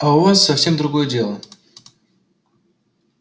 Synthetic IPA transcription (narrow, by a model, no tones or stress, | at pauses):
aʊvassɐfsʲe̞md̪ɾʊɡo̞jədʲe̞lˠə